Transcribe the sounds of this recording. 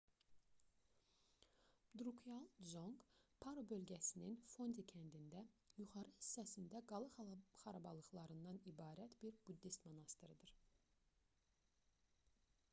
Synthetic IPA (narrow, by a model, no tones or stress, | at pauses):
d̪ɾukʰjɑlˠd͡ʒo̞ŋɡpʰɑɾobø̞lɟæsininfo̞nd̪icʰænd̪ind̪æjuχɑɾɯhi̥sːæsind̪æɡɑlˠɯχɑɾɑbɑlˠɯɣlˠɑɾɯnd̪ɑnibɑːɾæt̪biɾbud̪ːist̪mɑnɑst̪ɯɾɯd̪ɯɾ